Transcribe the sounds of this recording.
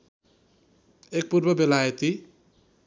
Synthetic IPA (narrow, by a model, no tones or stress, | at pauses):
ek̚purbʌbelajʌt̪i